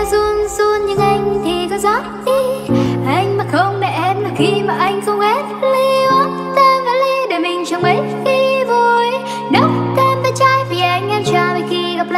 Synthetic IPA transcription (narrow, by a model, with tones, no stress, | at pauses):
zu˧ənsu˧ənɲɨ̰˧˥ŋʔa˧jŋ̟t̪ʰi˨˩kɔ˨˦zɔ˨˦˥t̚t̪i˧ʔa˧jŋ̟maː˨˩xə˧wŋ͡mɗɛ̰˧˨˥ʔɛ˧mlaː˨˩xi˧maː˨˩ʔa˧jŋ̟xə˧wŋ͡mʔe˦˥t̚li˧w | t̪əː˧vaː˨˩li˧ɗe˧˩mï˨˩ŋ̟t͡ɕə˨˧wŋ͡mʔə˨˦j | t̪ʰi˧˩vo˨˩j | nə˨˦wk̪ɛ˧mt̪aː˧˩jt͡ɕaː˧jvi˨˩ʔa˧jŋ̟ʔɛ˧mt͡ɕaː˧˩və˨˩xi˧ɣa˨˩p̚la˧˨